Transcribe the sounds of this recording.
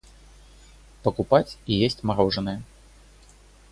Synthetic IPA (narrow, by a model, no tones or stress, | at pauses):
pɐkupat͡sʲijesʲt͡sʲmaɾɔʐɐnɨjɐ